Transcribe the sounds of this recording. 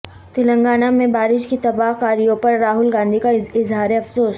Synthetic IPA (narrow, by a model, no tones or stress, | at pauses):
t̪ɪlə̃ŋɡaːnamẽbaːɾɪʃkit̪ɐbaːɦkaːɾijõpɐɾːaːɦʊlɡãːnd̪ʱikaɪzɦaːɾeɐfsoːs